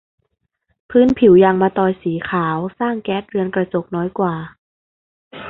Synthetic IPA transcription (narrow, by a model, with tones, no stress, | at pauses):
pʰɯː˦˥npʰi˩˦wja˧ŋmaː˧t̪ɔː˧jsiː˩˦kʰaː˩˦wsaː˥˩ŋkɛː˦˥t̪̚ɾɯ˧ənkɾa˧t͡ɕo˨˩k̚nɔː˦˥jkwaː˨˩